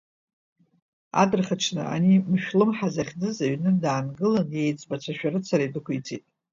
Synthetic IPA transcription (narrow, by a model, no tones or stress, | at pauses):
a̰dɨrχat͡ʃʈ͡ʂʰnɨ̰a̰nimʃᶣlɨmħazaχʲd͡zɨzaɥnɨdaːnɡɨlɨnjejt͡sʼbat͡ɕʷʰaʃᶣaɾɨt͡sʰaɾajdɨkʷʰit͡sʰḭtʼ